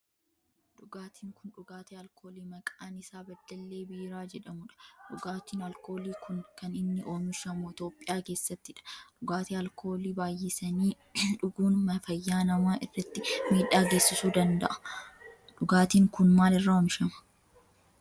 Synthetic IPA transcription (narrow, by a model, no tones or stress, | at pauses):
ᶑʊɡaːt̪ʰiːŋkʊnᶑʊɡaːt̪eːɐlkʰo̞ːliːmɐkʼaːnɪsaːbɐd̪ːɐlːe̞ːbiːɾaːd͡ʒɛᶑɐmʊᶑɐ̥ᶑʊɡaːt̪iːnɐlko̞ːliːkʊnkɐnɪnːɪʔo̞ːmɪʃɐmʊɪt̪o̞ːpʼːɪjaːke̞ːsːɐt̪ːɪᶑɐ̥ᶑʊɡaːt̪eːɐlkʰo̞ːliːbaːjːɪsɐniː | ᶑʊɡuːnmɐfɐjːaːnɐmaːʔɪrːɐt̪ːɪmiːᶑːaːɡe̞ːsːɪsuːd̪ɐnd̪ɐ̰ʔɐ̥ | ᶑʊɡaːt̪iːŋkʊnmaːlɪrːaːɔːmɪʃɐmɐ̥